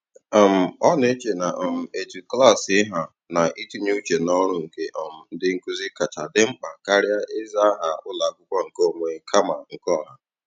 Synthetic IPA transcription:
ɔ˨m̩˨ɔ˦ne˦t͡ʃe˨na˨ʔɔ˨m̩˨e˨tu˨kla˦˨sɪ˦ɦa˨ | na˨ʔi˦tu˦ɲu˦t͡ʃe˨nɔ˦ɾʊ˦ŋ̩˨ke˦ʔɔ˨m̩˨n̩˦dɪ˦ŋ̩˦ku˦zi˦ka˨ta˨dɪ˦ŋ͡m̩˦k͡pa˨ka˦ɾɪ˦a˦ʔɪ˦za˦a˦ɦa˨ʊ˦la˨˦kʷʊ˦kʷa˦ŋ̩˨ko˦˨ŋʷe˨kʰa˦ma˨ŋ̩˨kɔ˦˨ɦa˨

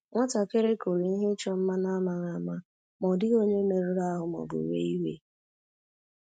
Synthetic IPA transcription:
ŋʷa˦ta˨ke˦ɾe˦ko˨ɾi˨n̩˦ɦɪ˦t͡ʃɔ˦m̩˦ma˦na˦ma˨ɣa˨˦ma˦ | mɔ˨dɪ˦ɣo˦ɲe˦me˨ɾu˦ɾa˦ɦʊ˨mɔ̰˨bʊ̰˨ɾḛ˨˦i˦wḛ˦

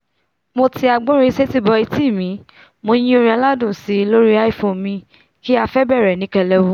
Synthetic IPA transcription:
mo˧ti˧a˧ɡ͡bõ˦ɾ̃ĩ˧˦se˦ti˦bɔ˧i˧ti˦˨mĩ˨˦ | mo˧j̃ĩ˦o˧ɾ̃ĩ˧a˧la˦dũ˦˨si˨˦˧lo˦ɾi˦a˦i˦˨fõ˨˧mĩ˧ | ki˦a˧fɛ˦bɛ˦˨ɾɛ˨nĩ˨˦kɛ˧lɛ˧wo˧˦

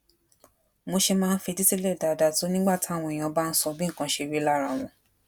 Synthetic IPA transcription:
mo˧ʃe˧mãː˦˧n̩˦fe˧di˦ti˦lɛ˦˨da˨da˧to˨˦nĩ˦ɡ͡ba˦˨ti˨˦a˦˨w̃ɔ̃˧˨j̃ã˧ba˦˧n̩˦sɔ˧bĩ˦ŋ̩˦˨kã˧ʃe˧ɾi˨˦la˦˨ɾa˧˨w̃ɔ̃˧˦

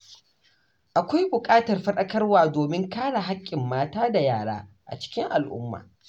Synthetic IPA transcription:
ʔa˨kʷa˦jbʊ˨kʼaː˦tɐ˨rɸɐ˦ɗɐ˦kɐ˦rwaː˨doː˨mɪ˦ŋkaː˦ɽa˨ɦa˦kʲʼːɪ˨mːaː˦taː˦da˨jaː˨ɽa̰ː˦ | ʔa̰˨t͡ʃɪ̥˦kʲɪ˦ŋʔa˨lʔʊ̰˦mːa̰ː˨

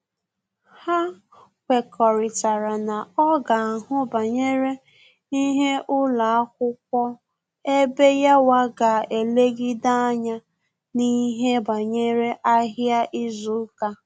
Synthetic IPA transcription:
ha˦ | kʷe˨kʰɔ˨ɾɪ˨ta˨ɾa˨na˨ɔ˦ɡa˨a˨ɦʊ˦ba˨ɲe˦ɾe˦ | i˦ɦe˦ʔʊ˦la˨a˦k̚ʷʊ˦k̚ʷɔ˦ | e˦be˦ja˦wa˦ɡa˨e˨le˦ɡɪ˦da˦a˦ɲa˦ | ni˦ɦe˦ba˨ɲe˦ɾe˦ʔa˦ɦja˦ʔi˦zʊ˦ka˦

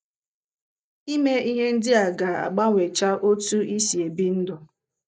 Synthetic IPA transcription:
i˦me˦i˦ɦe˦n̩˦dɪ˦a˨ɡa˨a̰˨ɡ͡ba˦ŋʷe˨t͡ʃa˦ʔo˦tu˦i˦si˨e˨bi˦n̩˦dʊ˨

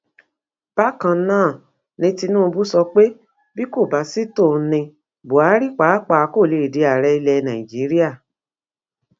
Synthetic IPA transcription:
b̥a˦kã˧˦nãː˦˨ | nĩ˧ti˧nũ˦˧bu˦sɔ˧k͡pe˦ | bi˦ko˦˨ba˨˦si˦to˦˨˦nĩ˧ | bo˨a˨˦ɾi˦k͡pa˨˦k͡pa˨˦ko˦˨le˧˨i˨de˨˦a˨ɾɛ˧˦i˧lɛ˧nã˨ĩ˨d͡ʒi˨˦ɾi˦a˦˨

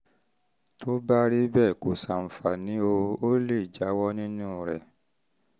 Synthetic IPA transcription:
tʰo˦ba˦ɾi˦bɛ˦˨ko˨sa˨m̩˨fa˨nĩ˨˦o˧o˦le˦˨d͡ʒa˨˦wɔ˦nĩ˦nũ˦˨ɾɛ˨

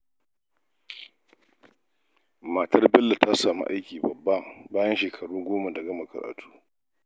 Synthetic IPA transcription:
ma˨tɐ˦rbɛ˦lːa˨ta˦saː˨mṵ˦ʔa˦jkʲiː˨bɐ˨bːa˦baː˦jɐ˦nʃeː˨kʰɐ˨ɽuː˦ɡʷoː˦ma˨dɐ˨ɡɐ˦ma˨kɐ̰˨ɾa̰ː˨tʰu̥ː˦

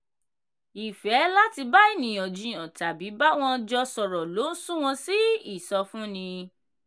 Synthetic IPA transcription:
i˨fɛ˨˦la˦ti˧ba˦i˦˨nĩ˨ɔ̃˨d͡ʒũ˨jɔ̃˨ta˨bi˨˦ba˦w̃ɔ̃˦d͡ʒɔ˧sɔ˨ɾɔ˨lo˨˦sũ˦w̃ɔ̃˧si˦i˦˨sɔ˧fũ˦nĩ˧

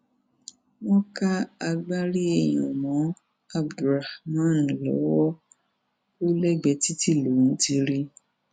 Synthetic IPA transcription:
wɔ̃˦ka˦a˧ɡ͡ba˦ɾi˦e˨j̃ɔ̃˨mɔ̃˨˦ | a˦bdɾa˨hmã˦˨n˨lɔ̰˨˦wɔ˦ | o˦lɛ˦ɡ͡bɛ˧ti˦ti˦˨lo˨˦˨ñ̩˨˦ti˧ɾi˦

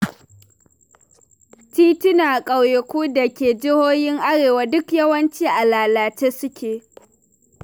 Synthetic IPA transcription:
tiː˦tʊ˦naː˨kʼa˨wje˨kʷuː˦da˨kʲeː˨d͡ʒɪ˦hoː˦jɪ˦ŋʔa˦ɽeː˨waː˨dʊ˦kjɐ˦wɐ˦nt͡ʃiː˦ʔa˨laː˨laː˨t͡ʃeː˦sʊ˦kʲeː˨

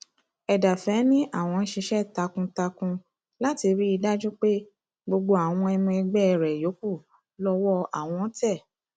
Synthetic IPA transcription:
ɛ˨da˨fɛ˨˦nĩ˦ʔa˦˨w̃ɔ̃˧n̩˦ʃi˧ʃɛ˦ta˧kũ˧ta˧kũ˧ | la˦ti˧ɾi˦i˧da˦d͡ʒu˦k͡pe˦ | ɡ͡bo˧ɡ͡bo˧a˨w̃ɔ̃˧ɛ˧mɔ̃˧ɛ˧ɡ͡bɛ˦˧˨ɾɛ˨jo˨˦ku˦˨ | lɔ˦˧wɔ˦a̰˦˨w̃ɔ̃˧˦tɛ˦˨

